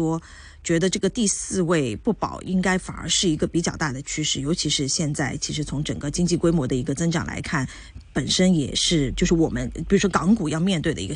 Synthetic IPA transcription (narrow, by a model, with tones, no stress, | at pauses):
ɔ˥ | t͡ɕɥɛ˧˥d̪ə˧ʈ͡ʂɤ˥˩ɡə˩t̪i˥˧sɹ̩˥˧we˥˧ɪpu˥˩pɑ̰˨˩ʊʔi˥ŋka˥ɪfa̰˨˩nə̰˧˥ʂɻ̩˥˩i˧˥ɡə˧pi˧˥t͡ɕjɑ˥˩ʊt̪a˥˩d̪ə˩t͡ɕʰy˥ʂɻ̩˥˩jo˧˥ʊt͡ɕʰi˧˥ʂɻ̩˥˧ɕjɛ˥˧nt͡sa˥˩ɪt͡ɕʰi˧˥ʂɻ̩˧˥t͡sʰʊ˧˥ŋʈ͡ʂə˨˩ŋɡə˦t͡ɕi˥ŋt͡ɕi˥˩kwe˥ɪmwɔ˧˥d̪ə˧i˧˥ɡə˧t͡sɤ˥ŋʈ͡ʂɑ̰˨˩ŋla̰˧˥ɪkʰa˥˩n | pə˨˩nʂə˥njɛ̰˨˩ʂɻ̩˥˩t͡ɕjo˥˧ʊʂɻ̩˥˩wɔ˨˩mə˦npi˨˩ɻu˥ʂwɔ˥kɑ˧˥ŋku˨˩jɑ˥˧ʊmjɛ˥˧nt̪we˥˩ɪd̪ə̰˩ḭ˧˥˧